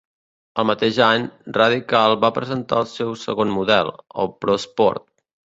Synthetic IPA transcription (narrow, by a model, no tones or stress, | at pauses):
əlˠmət̪eʒaɲrəðikalˠβapɾəzənt̪a̰əlˠsɛwsə̰ɣonmuðɛlˠə̰lˠpɾɔspɔ̰ɾt̪̚